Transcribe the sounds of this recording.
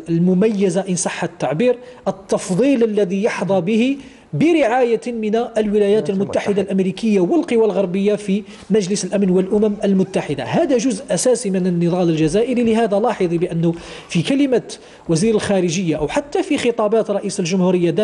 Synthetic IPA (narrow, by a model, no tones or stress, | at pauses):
əlmʊmæjːəzaʔənsˤɑħːat̪ːaʕbiɾ | ʔət̪ːɑfd̪ˤiləlːæðijɑħd̪ˤɑbəhi | bəɾəʕajamənæʔlwɪlæjæːt̪əlmʊt̪ːaħəd̪alʔæmɾikəjːawəlqəwalɣɑɾˤbəjːafi | mæʒləsəlʔæmnwəlʔʊmæmʔəlmʊt̪ːaħəd̪a̰hæd̪æʒʊzʔʔæsæsimənənːəðˤɑləlʒæzæʔəɾiləɦæd̪ælɑħəd̪ˤibəʔənːʊ | fikæləma | wæziɾəlxæɾəʒəjːaʔwħat̪ːafixət̪ˤɑbɑt̪ɾˤɑʔisəlʒʊmhuɾəjːad̪æ